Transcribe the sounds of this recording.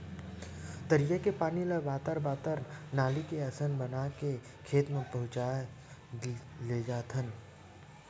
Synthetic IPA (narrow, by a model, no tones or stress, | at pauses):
t̪əɾijəkepaːniləbaːt̪əɾbaːt̪əɾnaːlikeɐsənbənake | kʰeːt̪mẽpɐɦʊ̃t͡ʃaːe | leːd͡ʒaːt̪ʰən